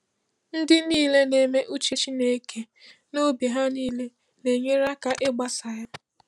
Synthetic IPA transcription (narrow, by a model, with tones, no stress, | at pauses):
n̩˦dɪ˦niː˦˨le˦ne˨me˦ʔu˦t͡ʃe˦t͡ʃi˦ne˦kʰe˦ | no˦bi˨ɦa˦niː˦le˦ | ne˨ɲe˦ɾa˦ka˨ʔɪ˦ɡ͡ba˦sa˨ja˦